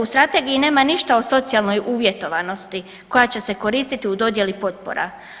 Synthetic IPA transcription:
ust̪ɾat̪e̞ɡijine̞ːmaniʃt̪ao̞so̞t̪sialˠno̞juʋje̞t̪o̞ʋano̞st̪i | ko̞jat͡ɕe̞se̞ko̞ɾiːst̪it̪iud̪o̞d̪je̞lipo̞t̪̚po̰ɾa̰

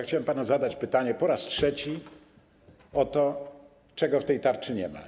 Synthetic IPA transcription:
xt͡ɕawɛmpanazad̪at͡ɕpɘt̪aɲɛpɔɾastʂɛt͡ɕi | ɔt̪ɔ | t͡ʂɛɡɔft̪ɛjt̪aɾt͡ʂɘɲɛ̰ma̰

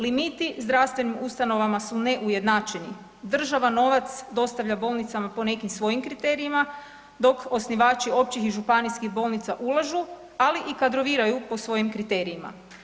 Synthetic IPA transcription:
limit̪izd̪ɾaʋst̪ʋe̞nimust̪ano̞ʋamasune̞ʔuje̞d̪naːt͡ʃeni | d̪r̩ʒaʋano̞ʋat̪sd̪o̞st̪aʋʎabo̞lˠnit̪samapo̞ne̞kimsʋo̞jimkɾit̪e̞ːɾiima | d̪o̞ko̞sniʋaːt͡ʃio̞pt͡ɕixiʒupaniskixbo̞ːlˠnit̪saʔulˠaʒu | aliʔikad̪ɾo̞ʋiːɾajupo̞sʋo̞jimkɾit̪eːɾiima̰

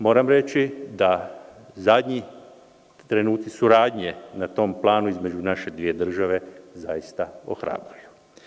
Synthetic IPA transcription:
mo̞ːɾamɾe̞t͡ʃid̪a | zad̪ɲi | t̪ɾe̞nuːt̪sisuɾaːd̪ɲe̞nat̪o̞mplˠaːnuizme̞d͡ʒunaʃe̞d̪ʋije̞d̪r̩ʒaʋe̞zajist̪ao̰xɾa̰ːbɾuju̥

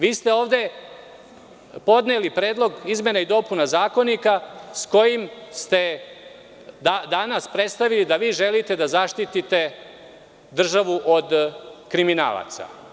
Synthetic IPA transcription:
ʋiːst̪e̞o̞ːʋd̪e̞ | po̞d̪nelipɾe̞ːd̪lo̞ɡizmje̞naid̪o̞punazaːko̞nikasko̞jimst̪e̞ | d̪ad̪anaspɾe̞t̪st̪aʋilid̪aʋiːʒe̞lit̪e̞d̪azaʃt̪it̪it̪e̞ | d̪r̩ʒaʋuʔo̞d̪kɾimina̰ːlˠa̰t̪sa̰

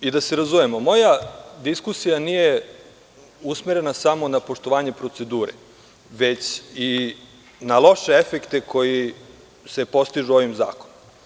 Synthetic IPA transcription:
id̪aseɾazumemo̞mo̞jad̪iskusijanije̞ | usmeɾe̞nasamo̞napo̞ʃt̪o̞ʋaːɲe̞pɾo̞t̪se̞d̪uːɾḛ | ʋe̞t͡ɕi | nalˠo̞ʃeefe̞kt̪ekʰo̞ji | se̞po̞st̪iʒuo̞ʋimza̰ːko̞nom

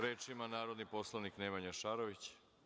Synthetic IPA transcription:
ɾeːt͡ʃimanaːɾod̪niposlˠaniknemaɲaʃaːɾoʋit͡ɕ

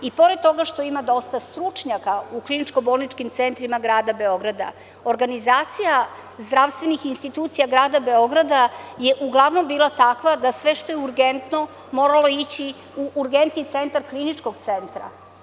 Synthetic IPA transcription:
ipo̞ɾed̪̚t̪ːo̞ɡaʃt̪o̞imad̪o̞st̪ast̪ɾut͡ʂɲakauklˠinit͡ʃko̞bolˠnit͡ʃkimt̪sent̪ɾimaɡɾaːd̪abe̞o̞ɡɾad̪a̰ | oɾɡanizaːt̪sija | zd̪ɾaʋst̪vʋe̞nixinst̪it̪uːt̪sijaɡɾaːd̪abe̞o̞ɡɾad̪aje̞ʔuɡlˠaʋno̞mbiːlˠat̪akʋad̪asʋe̞ʃt̪o̞jeuɾɡent̪no̞ | mo̞ɾalo̞it͡ɕi | uʔːɾɡent̪nit̪se̞nt̪aɾklinit͡ʃkoɡt̪sent̪ɾa̰

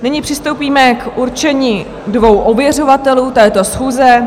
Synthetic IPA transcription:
nɪɲɪpr̝̥ɪst̪owpiːmɛkʔuɾt͡ʃɛɲiː | dvo̞wʔobjɛro̞vat̪ɛluːt̪ɛːt̪o̞sxuːzɛ

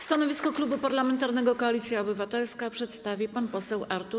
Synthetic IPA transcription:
st̪anɔvʲiskɔklubupaɾlamɛnt̪aɾnɛɡɔkɔalʲit̪sʲjaɔbɘvat̪ɛlskapʂɛt̪st̪avʲipanpɔsɛwʔaɾt̪uɾ

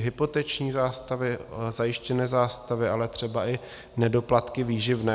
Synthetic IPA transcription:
ɦɪpot̪ɛt͡ʃɲiːzaːst̪avɪzajɪʃcɛnɛːzaːst̪avɪʔalɛt̪r̝̥ɛbaʔɪ | nɛdo̞plat̪kɪviːʒɪvnɛː

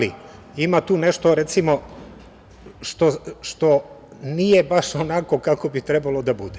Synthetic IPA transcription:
lḭ | imat̪uːneʃt̪o̞ɾet̪simo̞ | ʃt̪oʃt̪onije̞baʃonako̞kako̞bit̪ɾebalod̪abud̪e

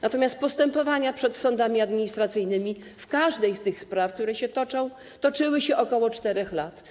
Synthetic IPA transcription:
nat̪ɔmʲjast̪̚pɔst̪ɛmpɔvaɲapʂɛt̪sɔnd̪amʲiad̪mʲiɲist̪ɾat̪sɘjnɘmʲifkaʐd̪ɛjst̪ɘxspɾafk̚t̪uɾɛɕɛt̪ɔt͡ʂɔ̃w̃ | t̪ɔt͡ʂɘwɘɕɛʔɔkɔwɔt͡ʂt̪ɛɾɛxlat̪

